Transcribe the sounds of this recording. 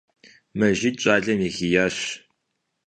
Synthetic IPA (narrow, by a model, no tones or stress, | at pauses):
mɐʒɪt͡ʃʷʼaːɮɐmixijaːɕ